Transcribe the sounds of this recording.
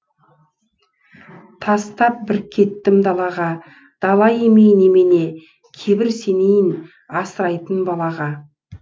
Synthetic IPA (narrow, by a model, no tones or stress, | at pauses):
t̪ʰɑst̪ɑp̚bɪɾkʲʰe̞t̪ːɪmd̪ɑlˠɑʁɑ | d̪̥ɑlˠɑje̞mejnemene̞ | kʲʰe̞bɪɾse̞nejɪn | ɑsəɾɑjt̪ənbɑlˠɑʁɑ